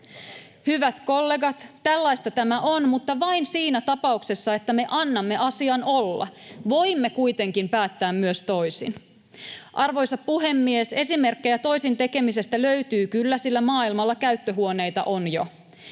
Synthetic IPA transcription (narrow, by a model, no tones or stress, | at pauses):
hyʋæt̪ko̞lːe̞ɡɑt̪ːælːɑjst̪ɑt̪æmæʔo̞nmut̪ːɑʋɑinsiːnæt̪ɑpɑukse̞sːɑe̞t̪ːæme̞ʔɑnːɑmːe̞ʔɑsiɑnolːɑ̰ʋo̞imːekujt̪e̞ŋkimpæːt̪ːæːmːyøst̪o̞jsḭn | ʔɑrʋo̞jsɑppuɦe̞mːiese̞sime̞rkːejæt̪o̞jsint̪e̞ke̞mise̞st̪æløyt̪yːkylːæsilːæmɑːilmɑlːɑkæyt̪ːøɦuo̞ne̞jt̪ɑ̰ʔo̞njo